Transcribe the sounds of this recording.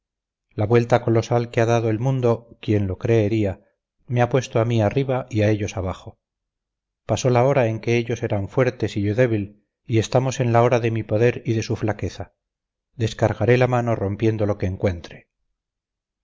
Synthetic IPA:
laβwe̞lt̪ako̞lo̞salke̞aðaðoe̞lmũnd̪o̞kje̞nlo̞kɾe̞ːɾia | meapwe̞st̪oamiariβaiae̞ʎo̞saβaχo̞ | paso̞lao̞ɾae̞ŋke̞eʎo̞se̞ɾaɱfwe̞ɾt̪e̞siʝoðe̞βil | ie̞st̪amo̞sẽ̞nlao̞ɾaðe̞mipo̞ðe̞ɾiðe̞suflake̞θa | ðe̞skaɾɣaɾe̞lamano̞ro̞mpje̞nd̪o̞lo̞ke̞ːŋkwe̞nt̪ɾe̞̥

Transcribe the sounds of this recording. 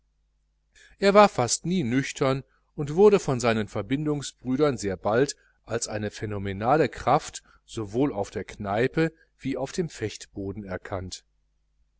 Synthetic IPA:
ʔeːɐvaːɐfastniːnʏçtʰɐn | ʔʊntv̥ʊɐɾəfɔnzaɪnənfɛɐbɪndʊŋsb̥ʁyːɾɐnzeːɐbalt | ʔalsʔaɪnəfenomenaːləkʁ̥aft | z̥ovoːlaʊfd̥eːɐknaɪpə | v̥iːaʊfd̥eːmfɛçtb̥oːdn̩ɛɐkʰant

